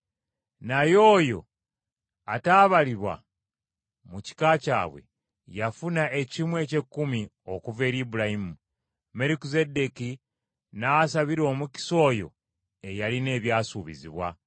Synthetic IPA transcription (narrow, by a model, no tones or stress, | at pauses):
najo̞ːjo̞̰ | ataːβaliβwa̰ | muci̥kaːca̰ːβwe̞̰ | jafunaʔe̞cimwe̞ːce̞kːumi | o̞kuve̞ːɾibuɾahimu | me̞ɾikuze̞de̞ki | nasaβiɾo̞ːmuci̥so̞ːjo̞̰ | e̞jaline̞ːβjaːsuβḭzḭβwa̰